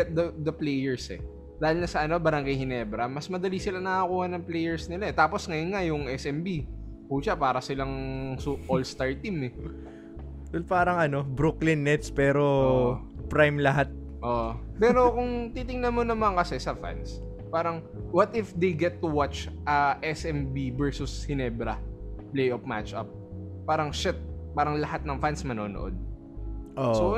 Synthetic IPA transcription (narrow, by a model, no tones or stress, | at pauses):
ɛt̪̚d̪ɐd̪ɐplejɛɹsɛ̰ | d̪aːhɪlnɐsɐʔɐno̞bɐɾɐŋɡajhɪnɛːbɾɐmɐsmɐd̪ɐlisɪlanɐŋakuːhɐnɐŋplejɛɹsnɪlaɛt̪aːposŋɐjonŋajʊŋʔɛsɛmbi | kuʃapaːɾɐsɪlaŋsuʔolst̪aɹt̪imɛ | d̪lpaːɾɐŋɐno̞bɾuklɪnːɛt̪spɛːɾo̞ | pɾajmlɐɦat̪̚ | ʔoʔpɛːɾokʊŋt̪it̪ɪŋnɐnmonɐmankɐsɛsɐfa̰ns | paːɾɐŋ | wɐt̪ɪfd̪ejɡɛt̪ːʊwat͡ʃʔɐʔɛsʔɛmbibɛɹsʊshɪnɛbɾɐplejʔofma̰t͡ʃʔɐ̰p̚ːaːɾɐŋʃɛt̪̚paːɾɐŋlɐhat̪̚nɐŋfansmɐnoːno̰ʔo̞̰d̪̚ | ʔoso